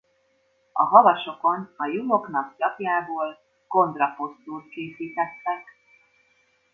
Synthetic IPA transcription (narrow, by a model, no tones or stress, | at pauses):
ɒ̰ɦɒvɒʃo̞ko̞nɒjulo̞knɒkt͡ʃɒpjaːboːl | ko̞nd̪rɒpo̞st̪uːrt̪̚keːsiːt̪ɛt̪ːɛk